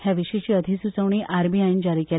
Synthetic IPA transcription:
hjaʋiʂəit͡ɕiːəd̪ʱisut͡səʋɳ̃iːʔʔaɾbiaind͡ʑaɾiːkel

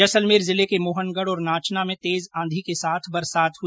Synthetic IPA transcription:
ɐsəlmeːɾzɪlekemoːɦənɡəɽɔːɾnaːt͡ʃnamẽt̪eːzãːnd̪ʱikesaːt̪ʰbɐɾsaːt̪ʰɦʊ

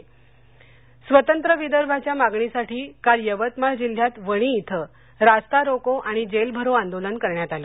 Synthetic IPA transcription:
sʋət̪ənt̪ɾəʋid̪əɾbʱat͡ɕjamaɡɳisaʈiːkaɾjəʋət̪maɭd͡ʑil̤jat̪ʋəɽ̃iːt̪ʰə | ɾast̪aɾokoʔaɽ̃id͡ʑelbʱəɾoãnd̪olənkəɾɳjat̪aləː

